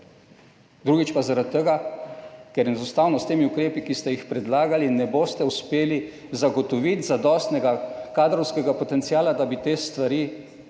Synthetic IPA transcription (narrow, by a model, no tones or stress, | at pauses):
d̪ɾuɡit͡ʃpazaɾat̪ːɛɡa | kɛɾjɛnzust̪awnɔst̪eːmiukɾeːpikist̪ɛjixpɾɛd̪laːɡalinɛboːst̪ɛuspeːli | zaɡɔt̪ɔʋit̪zad̪ɔst̪nɛɡakaːd̪ɾɔwskɛɡapɔt̪ɛnt̪siaːlad̪abit̪eːst̪ʋaɾiː